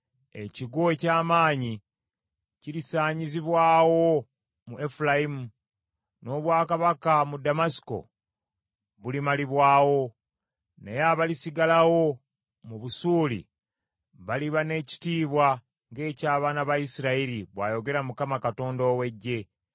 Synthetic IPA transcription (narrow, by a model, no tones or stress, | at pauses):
ḛciɡoecaːmaːɲi | ciɾisaːɲiziβwaːwo̞ | muefulajimu | no̞ːβwaːkaβakamudamasi̥ko̞̰ | βulimaliβwaːwo̞ | nḛjaβalisiɡalawo̞ | muβusuːlḭ | βaliβane̞ci̥tiːβwa | ŋɡe̞ːcaːβaːnaβaisiɾaiɾiβwa̰ːjo̞ɡe̞ɾamukamakato̞ːndoːwe̞ɟːe̞